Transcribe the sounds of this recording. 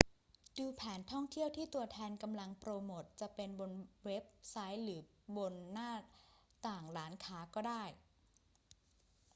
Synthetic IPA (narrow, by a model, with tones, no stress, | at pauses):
duː˧pʰɛː˩˦nt̪ʰɔ˥˩ŋt̪ʰi˥˩əwt̪ʰiː˥˩t̪u˧ɐt̪ʰɛː˧nka˧mla˧ŋpɾoː˧moː˨˩t̪̚t͡ɕa˨˩pe˧nbo˧nwe˦˥p̚sa˦˥jlɯː˩˦ | bo˧nːaː˥˩t̪aː˨˩ŋlaː˩˦˥nkʰaː˩˦˥kɔː˥˩daː˥˩j